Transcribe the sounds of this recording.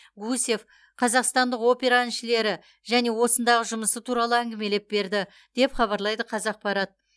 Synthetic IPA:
ɡuse̞f | qʰɑzɑqst̪ɑnd̪əqo̞pʲe̞ɾanʃɪle̞ɾɪ | ʒæne̞wo̞sənd̪ɑʁəʒʊməsət̪ʰuɾɑlˠəæŋɡʲɪme̞lep̚be̞ɾd̪ɪ | d̪̥e̞pχɑβɑɾlˠɑjd̪əqʰɑzɑq̚pɑɾɑt̪̚

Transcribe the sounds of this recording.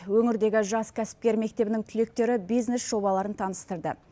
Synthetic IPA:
wɵŋɪɾd̪e̞ɡʲɪʒɑskʲʰæsɪ̥p̚kʲe̞ɾme̞k̚t̪e̞bɪnɪŋt̪ʰʏle̞k̚t̪e̞ɾɪbijzne̞sʒ̥o̞bɑlˠɑɾənt̪ʰɑnəst̪əɾd̪ə̰

